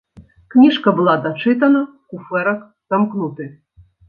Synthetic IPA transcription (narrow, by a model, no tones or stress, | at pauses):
knʲiʂkɐbɨlˠad̪ɐt͡ʂɨt̪̬ɐnɐ | kufɛɾɐk | zamknut̪ɨ